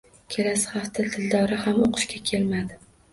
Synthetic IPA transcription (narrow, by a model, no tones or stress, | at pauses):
kʲʰe̞lasɪ̥haft̪ʰat̪ʰɪld̪ɒɾahamoqʰɨ̥ʃkʲakʲʰe̞lmad̪ɪ